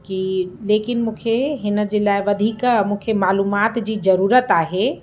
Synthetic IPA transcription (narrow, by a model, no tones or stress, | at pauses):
kileːkɪnmũkʰeɦɪnəd͡ʒelajʋəd̪ʱikmũkʰemaːluːmaːt̪d͡ʑizəɾuːɾət̪aːɦe